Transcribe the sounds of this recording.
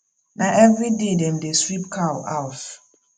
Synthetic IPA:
naʔɛvɹidedɛ̃mdesɹip̚kʰawaʊt

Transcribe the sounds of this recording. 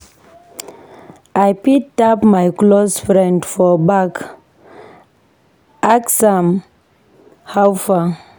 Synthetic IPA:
ajpitapmajklosfɹɛ̃ndfɔbak | aksãm | hawfa

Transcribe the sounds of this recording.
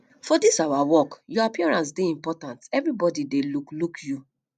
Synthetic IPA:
fɔdisawawɔkjɔapiɔɹãnsdeĩmpɔtãntɛvɹibɔdideluklukʰju

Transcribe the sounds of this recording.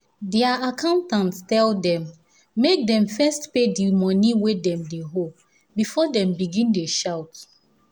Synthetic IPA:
dɛaakʰãʊ̃ntãntstɛldɛ̃mː | ek̚dɛ̃ɱfɛstpedimɔniwedɛ̃mdeɦol | bifɔdɛ̃mbiɡĩndeʃaʊt

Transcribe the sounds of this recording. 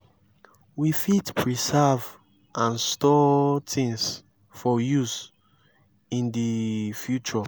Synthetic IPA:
wifitpʰɹisɛv | ʔãnstɔtʰĩŋs | fɔjus | ĩndifjut͡ʃɔ

